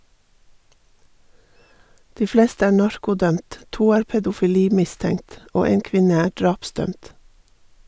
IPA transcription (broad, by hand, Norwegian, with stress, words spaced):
ˈdiː ˈfleːstə ˈæː ˈɳɑɹkʊˌdœmt ˈtuː ˈæːɾ pɛdʊfɪˈliːˌmɪˌstɛŋt ˈoː ˈeːn ˈkʋɪnə ˈæː ˈɖɹɑːpˌsdœmt